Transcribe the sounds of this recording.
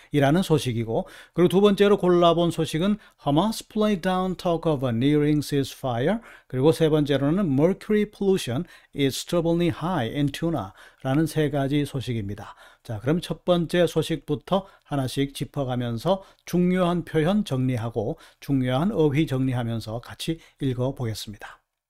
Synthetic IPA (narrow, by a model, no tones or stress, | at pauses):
iɾanɯnsʰoɕʰiɡiɡokɯɾiɡot̪̬ubʌnt͡ɕ͈e̞ɾokoɭːabonsʰoɕʰiɡɯn | hʌmʌspʰlejdawntʰʌkʰʌbʌniɾiŋsisfajʌɾkɯɾiɡosʰe̞bʌnt͡ɕ͈e̞ɾonɯnmʌɾkʰjuɾipʰoluɕʰʌnistʰʌbɯlihajintʰjuna̰ɾanɯnsʰe̞ɡad͡ʑisʰoɕʰiɡimɲidat͡ɕakɯɾʌmt͡ɕʰʌt̚p͈ʌnt͡ɕ͈e̞sʰoɕʰik̚p͈utʰʌhanaɕʰik̚t͡ɕipʰʌɡamjʌnsʰʌ | t͡ɕuŋɲoɦanpʰjojʌnt͡ɕʌŋɲiɦaɡot͡ɕuŋɲoɦanʌwit͡ɕʌŋɲiɦamjʌnsʰʌkat͡ɕʰi | iɭɡʌboɡe̞s͈ɯmɲid̥ḁ